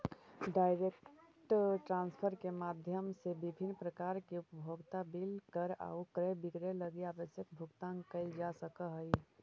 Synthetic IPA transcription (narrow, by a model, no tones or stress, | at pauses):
ɖaɪɾekʈʈɾanspʰəɾkemad̪ʱjəmsebibʱinːpɾəkaɾkeupəbʱoɡt̪abilkəɾa̰ukɾebiɡɾeləɡiabəsjəkbʱuɡt̪aŋkəid͡ʒasəkəɦəj